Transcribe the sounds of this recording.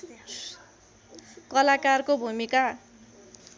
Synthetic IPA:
kʌlakarkobʱumika

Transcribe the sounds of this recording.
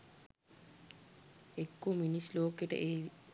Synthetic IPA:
ekːominisloːkeʈɐ̰ʔe

